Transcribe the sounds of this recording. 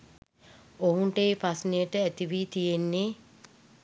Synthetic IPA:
oɦuɳʈeːpasnejəʈəæt̪iʋiːt̪ijenːe

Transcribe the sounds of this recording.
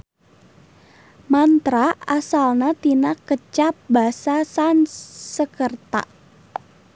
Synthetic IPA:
mant̪ɾaasalnat̪inakət͡ʃap̚basasansəkərt̪a̰ʔ

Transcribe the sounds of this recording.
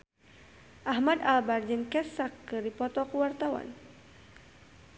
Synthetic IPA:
ʔahmadalbard͡ʒənkɛsakːəɾipɔt̪ɔkuwart̪awa̰n

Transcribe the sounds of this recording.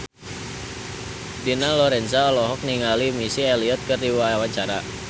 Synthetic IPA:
dinalɔɾɛnsaɔlɔɦɔk̚niŋalimisiɛliɔt̪̚kɨrdiwaawaɲt͡ʃaɾa

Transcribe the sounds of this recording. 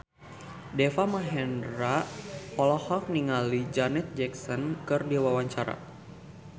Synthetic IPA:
dɛfamaɦɛnɾaɔlɔhɔk̚niŋalid͡ʒanɛt̪̚d͡ʒɛksɔnkɨrdiwawaɲt͡ʃaɾa̰

